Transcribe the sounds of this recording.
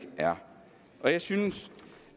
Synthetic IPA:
ɡ̥ʔæɐ | ʔɒ̽jɑ̈ɪsyns

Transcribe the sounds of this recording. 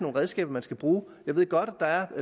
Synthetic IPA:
no̝ːnʁɛð̞ˠsɡ̥ɛ̰ːb̥ɐmænsɡ̥æb̥ʁuːjjɑ̈ɪe̝ð̰ˠɡ̥ɒ̽ɾ̥æd̥ɑ̈æɐ

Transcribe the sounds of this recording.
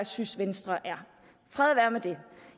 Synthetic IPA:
sysʋensd̥ʁɐʔæɐ | fʁɛðˠʋæɐmed̥e̝

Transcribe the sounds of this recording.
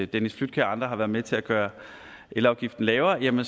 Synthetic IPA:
d̥enisflyd̥̚kʰæɐɑ̈nd̥ʁɐɦɑ̈ʋæɐðˠmet͡sʰe̝læɡ̥ɶːɐ | ʔelɑ̈ʊɡ̥ifd̥n̩lɛːʊɐjæmən

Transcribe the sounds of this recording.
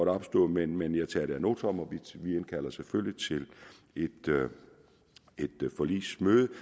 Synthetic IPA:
ɒɾɒb̥sd̥ɔ̰ːmenmenjɑ̈ɪt͡sʰɛ̰ːɾ̥eæno̝ːt͡sʰɒmɒ̽ʋiʋienkʰæl̰ɐseføljit͡sʰe̝l | e̝d̥ | e̝d̥fɒ̽lḭːsmøːð̞ˠə

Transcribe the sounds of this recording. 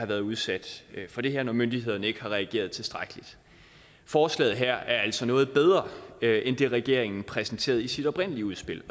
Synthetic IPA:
ɑ̈ʋæːɐðˠuð̞ˠsæd̥fɒ̽d̥e̝heɐ̰nɒmønd̥ihe̝ð̞̰ˠɐnəe̝ɡ̥əhɑ̈ʁɛæɡ̥e̝̰ːɐð̞̩ˠt͡sʰe̝sd̥ʁaɡ̥əlid̥ | fɒːslɛ̰ːð̞̩ˠɦæɐ̰æɐæl̰sɒ̽nɔ̽ːð̩ˠb̥eð̞ˠʁɐʔend̥e̝ʁɛɡ̥e̝ɐ̰eŋn̩pʰʁɛsn̩t͡sʰe̝̰ːɐð̞ˠisid̥ɒ̽b̥ʁɛn̰əliəuð̞ˠsb̥e̝l̰

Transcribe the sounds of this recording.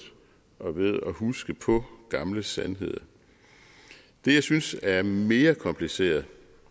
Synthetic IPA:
ʔɒ̽ʋe̝ð̞ˠɒ̽ɦusɡ̥əpʰɒ̽ɡ̥ɑ̈mləsænɦe̝ð̞̰ˠɐ | d̥e̝jɑ̈ɪsynsæɐme̝ːɐkʰɒ̽mpʰlise̝̰ːɐð̩ˠ

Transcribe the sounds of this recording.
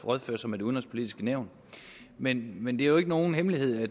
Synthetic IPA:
ʁɒð̞ˠføɐ̰sɒmedeuðnʁɒspʰo̝lid̥isɡ̥ənæʊ̰n | menmend̥e̝æjoe̝ɡ̥əno̝ːn̩ɦemlihe̝ð̞̰ˠæ

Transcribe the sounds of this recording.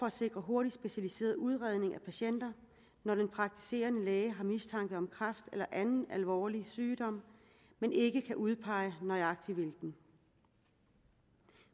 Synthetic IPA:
ɒ̽æ̥se̝ɡ̥ʁɐɦo̝ɐɾ̥id̥sb̥e̝ɕælise̝̰ːɐðˠuð̞ˠʁɛð̞ˠne̝ŋæpʰæɕen̰d̥ɐ | nɒd̥enpʰʁɑ̈ɡ̥̚t͡sʰi̥se̝̰ːɐnəlɛːɪəɦɑ̈mist͡sʰɑ̈ŋɡ̥əð̩ˠɒ̽mkʰʁɑfd̥elɐʔænn̩ælʋɒ̰ːlisyːd̥ɒ̽m̰ | mene̝ɡ̥əkʰæʔuð̞ˠpʰɑ̈ɪənɒ̽ɪɑ̈ɡ̥̚t͡sʰiʋilɡ̥n̩

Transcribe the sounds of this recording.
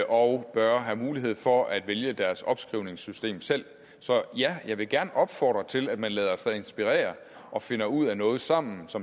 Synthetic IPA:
ʔɒʊb̥ɶɐɦæmuːliɦe̝ð̰ˠfɒ̽ʔæd̥ʋeljəd̥æɐsɒ̽b̥sɡ̥ʁiʊne̝ŋsysd̥e̝̰ːmsel̰ | sɒ̽jæjɑ̈ɪʋe̝ɡ̥æɐnəʔɒ̽b̥fɒ̰ːd̥ʁɐt͡sʰe̝læd̥mænlɛ̰ːð̞ˠɐɒsɛe̝nsb̥iʁɛ̰ːɐ | ʔɒ̽fe̝nɐuð̞̰ˠænɔ̽ːð̞̩ˠsɑ̈m̰n̩sɒ̽m

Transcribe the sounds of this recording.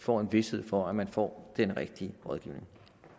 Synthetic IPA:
fɒ̰ːe̝nʋe̝she̝ð̞̰ˠfɒ̽æmænfɒ̰ːd̥enʁɛɡ̥̚d̥iəʁɒ̽ðˠɡ̥iʊne̝ŋ

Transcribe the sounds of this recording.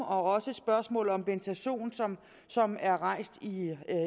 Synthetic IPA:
ɒ̽ɒ̽səsb̥ɶɐsmɔ̰̽ːl̩ˠɒ̽mb̥ent͡sʰæɕo̝̰ːnsɒm | sɒ̽mæɐʁɑ̈ɪ̰sd̥i

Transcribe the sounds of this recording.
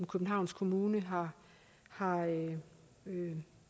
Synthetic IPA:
mkʰøb̥n̩ɦɑ̈ʊ̰nskʰo̝muːnəɦɑ̈ | hɑ̈

